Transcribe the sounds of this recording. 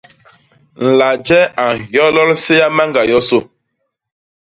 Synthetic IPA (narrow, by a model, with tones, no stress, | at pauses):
n̩˨la˨d͡ʒɛ˦a˨jɔ˦lɔ˦lse˦ja˦ma˦ŋɡa˨jɔ˦so˦˨